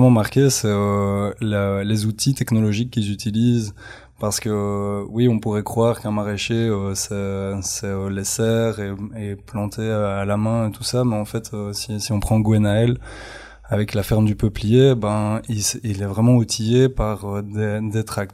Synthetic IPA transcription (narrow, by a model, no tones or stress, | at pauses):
ɛmɑ̃maʁkʲesɛølelezut̪it̪ɛknɔlɔʒikʲːilzyt̪iliːz | paʁsə̥kəwiɔ̃puʁɛkχwaʁkɛ̃maʁeʃeøsɛsɛølɛsɛːʁeeplɑ̃t̪ʰeøalamɛ̃et̪usamɛɑ̃fɛt̪øsisiɔ̃pχɑ̃ɡoɛnaɛl | avɛklafɛʁmd̪ypəplijebɛ̃isilɛvʁɛmɑ̃ut̪ʰijepaʁød̪ed̪et̪χakt̪